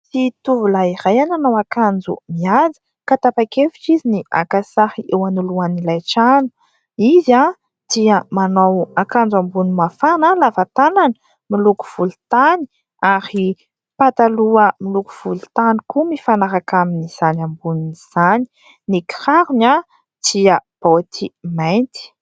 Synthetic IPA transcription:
sit̪uvulaiɾajananawakand͡zṵmiad͡zə̥ | kat̪apakefit͡ʃizinia̰kasaɾiʔewanuluanilajʈ͡ʂanu̥ | iza | d̪̥iəmanawakand͡zambunimafanalavat̪anan | miluku̥v̥ulut̪ani̥ | aɾi | pat̪aluəmiluku̥v̥ult̪anikumifanaɾakaminiz̥anambununiz̥ani̥ | niki̥haɾuna | t̪iab̥ot̪ʰimajnt̪i̥

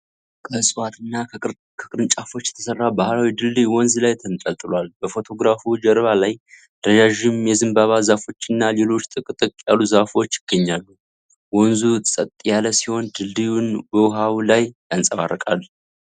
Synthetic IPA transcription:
kʰəsʼwat̪ɨnːa | kʰəkʼɾɨnt͡ʃʼafo̞t͡ʃːjɛt̪ʰəsərːabahlawid̪ɨlːiwɔnzlajt̪ʰənt̪ʼəlt̪ʼɨlwalbəfo̞t̪ʰo̞ɡɾafud͡ʒəɾβalaj | d̪̥əd͡ʒaʒɪmjɛzɨmbaβazafo̞t͡ʃːɪnːale̞lo̞t͡ʃːt̪ʼɨkʼt̪ʼɨkʼjalːuzafo̞t͡ʃːjɪɡ̥ːəɲːalːu | wɔnzusʼət̪ʼjaləsiho̞nd̪ɨlːijunbəwʊɦawlajjansʼəβa̰rəkʼal

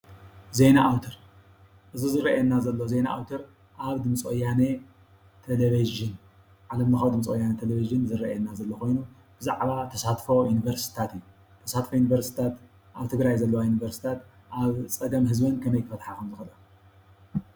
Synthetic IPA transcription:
ze̞naʔawt̪ʰɐɾ | ʔɨzuzɨɾɐʔɛnːazɐlːoze̞naʔa̰wt̪ʰɐɾ | ʔaβd̪ɨmt͡sʼojane | t̪ʰeleβiʒɨn | ʕalɐmnɨxawd̪ɨmt͡sʼojanɐt̪ʰeleviʒɨnzɨɾɐ̰ʔeɛnːazɐlːokʰo̞jnu | bɨzaʕβat̪ʰɐsat̪fo̞junivɐɾsi̥t̪ʰat̪ijːu | t̪ʰɐsat̪fojunivɐɾsi̥t̪ʰat̪ | ʔaβt̪ʰɨɡɾajzɐlːɐwajunivɐɾsi̥t̪ʰat̪ | ʔaβt͡sʼɐɡɐmɦɨzbɐnkʰɐmɐjkʰɨfɐt̪ħakʰɐmzɨxɐlɐ

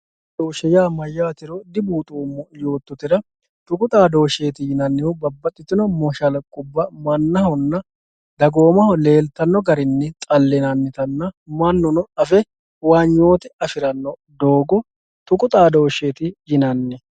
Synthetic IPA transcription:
d̪oːʃɛjaːmɐjːaːt̪ɪɾɔd̪ɪbuːt̪ʼuːmːɔjo̞ːt̪ːɔt̪ɪɾɐ | t̪ʊkʼʊt̪ʼaːd̪o̞ːʃe̞ːt̪ɪjɪnɐnːɪhʊbɐbːɐt̪ʼːɪt̪ːɪnɔmɔʃɐlɐkʼːʊbːɐmɐnːɐhɔnːɐ | d̪ɐɡo̞ːmɐhɔle̞ːlt̪ɐnːɔɡɐɾɪnːɛt̪ʼɐlːɛnɐnːɪt̪ɐnːɐmɐnːʊnɔɐfɛ | waːɲːo̞ːt̪ɪɐfɪɾɐnːɔd̪o̞ːɡɔ | t̪ʊkʼʊt̪ʼaːd̪o̞ːʃeːt̪ɪjɪnɐnːɛ

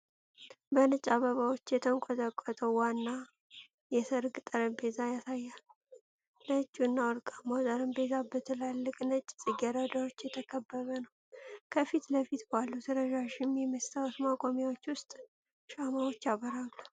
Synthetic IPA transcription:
bənɨt͡ʃʼːaβəβawo̞t͡ʃːjɛt̪ʰəŋkʼɔt̪ʼəkʼːɔt̪ʼəwanːa | jɛsəɾɡʼt̪ʼəɾəmbe̞zajasajːal | nət͡ʃʼːunːawɔɾkʼamawzʼəɾəmbe̞zʰabət̪ʰɨlalːɨkʼnət͡ʃʼːsʼɨɡɛɾad̪awot͡ʃːjɛt̪ʰəkʰəbːəβənəw | kʰəfit̪ləfit̪balːusʰɨɾəʒaʃɪmjɛməst̪ʰawot̪makʼomjawo̞t͡ʃːwʊst̪ʼ | ʃamawo̞t͡ʃːjaβəɾalːu

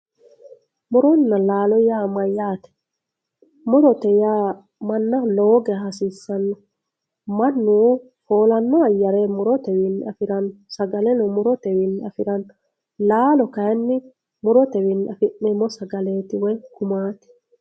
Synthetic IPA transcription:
mʊɾɔnːɐlaːlɔjaːmɐjaːt̪ɛ̥ | mʊɾɔt̪ɛja | mɐnːɐloːɡɛɦɐsiːsːɐnːɔ | mɐnːu | foːlɐnːɔɐjːɐɾemʊɾɔt̪ɛwɪnːɪɐfɪɾɐnsɐɡɐlɛnɔmʊɾɔt̪ɛwɪnːɪɐfɪɾɐn | laːlɔkɐjɛnːɪ | mʊɾɔt̪ɛwɪnːʔɐfɪʔːɛmːɔsɐɡɐleːt̪ɪwɔjkʊmaːt̪ɪ̥

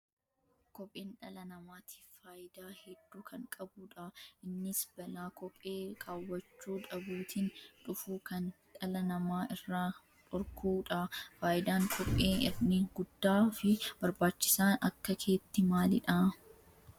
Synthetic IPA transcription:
kɔpʼːeːnᶑɐlɐnɐmaːt̪ʰi̥ːfaːjɪd̪aːhɛd̪̥ːuːkʰɐŋkʼɐbuːᶑɐʔɪnːɪsbɐlaːkɔpʼːe̞ːkʰaːwːɐt͡ʃːuːᶑɐbuːt̪iːnᶑʊfuːkɐn | ᶑɐlɐnɐmaːʔɪrːaː | tʼɔɾkʰuːᶑɐfaːʔɪd̪aːŋkʰɔpʼːeːnɪrniːŋɡʊd̪ːaːfɪb̥ɐɾbaːt͡ʃːɪ̥saːnɐkːɐkʰe̞ːt̪ːɪmaːlɪᶑa

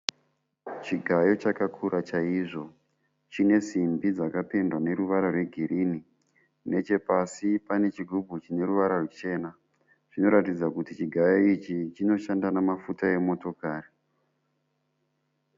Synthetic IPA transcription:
t͡ʃiɡʱajo̞t͡ʃakakʰuɾat͡ʃaiʐo̞ | t͡ʃine̞simbid͡zakape̞ndwane̞ɾuʋaɾorwe̞ɡʱiɾʔini | ne̞t͡ʃe̞pasipane̞t͡ʃiɡʱubʱut͡ʃine̞ruʋaɾarut͡ʃe̞ːna | ʐ̥ino̞ɾatid͡zakutit͡ʃiɡʱajoit͡ʃit͡ʃino̞ʃandanamafutae̞mo̞to̞kaːri

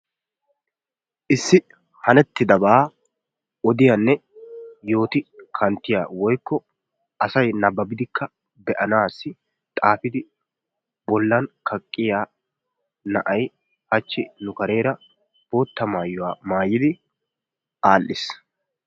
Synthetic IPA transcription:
ʔɪsːɪ | hɐnɛt̪ːɪd̪ɐbaː | ɔd̪ɪjɐnːɛjo̞ːt̪ɪkʰɐnt̪ːɪjaːwɔjkːɔ | ʔɐsɐjnɐbːɐbɪd̪ɪkːɐ | bɛʔɐnaːsːɪ | t̪ʼaːfɪd̪ɪ | bɔlːɐnkʰɐkʼːɪjaː | nɐʔɐj | hɐt͡ʃːɪnʊkɐɾe̞ːɾɐ | b̥o̞ːt̪ːɐmaːjːʊwaːmaːjːɪd̪ɪ | ʔaːlːɪs

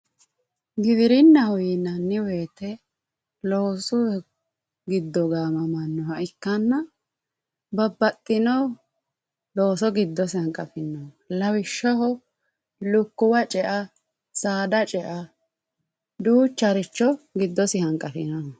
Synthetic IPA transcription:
ɡɪd̪ɪɾɪnːɐhʊjɪnɐnːɪwe̞ːt̪ɛ | loːsʊ | ɡɪd̪ːɔɡaːmɐmɐnːɔhɐʔɪkːɐnːɐ | bɐbːɐt̪ʼːɪnɔ | loːsɔɡɪd̪ːɔsɪɐŋkʼɐfɪnːɔ | lɐwɪʃːɐhɔ | lʊkːʊwɐt͡ʃʼɛʔɐ | saːd̪ɐt͡ʃʼɛʔɐ | d̪uːt͡ʃːɐɾɪt͡ʃːɔɡɪd̪ːɔsɪhɐŋkʼɐfɪ̰nɔ

